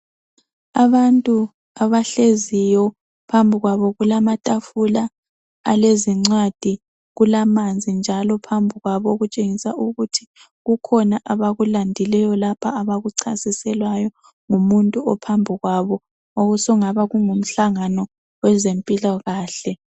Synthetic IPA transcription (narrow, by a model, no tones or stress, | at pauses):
aβantʼu | aβaɬezijɔ | pʰambʱiɣwaβɔɣulamatʼafulaː | leziŋ͡ǀwad̥ʱi | ɣulamand͡zʱind͡ʒʱalɔpʰambʱuɣwaβɔɣut͡ʃʼeŋisaʔuɣutʰi | ɣukʰɔnaʔaβaɣulandʱilɛjɔlapʰaːβaɣuǀʰasisɛlwajɔ | ŋumuntʼuɔpʰambʱuɣwaβɔ | oɣusɔŋaβaɣuŋum̩ɬaŋanɔ | wɛzempʼilɔɣaːɬɛ